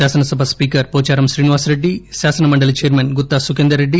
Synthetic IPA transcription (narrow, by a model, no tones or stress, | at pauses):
aːsɐnɐsɐbʱɐspiːkɐɾpoːt͡ʃaːɾɐmʃɾiːniʋaːsɾeɖːisaːsɐnɐmɐɳɖɐlit͡ʃejɐɾmeːnɡut̪ːaːsukend̪ɐɾeɖːi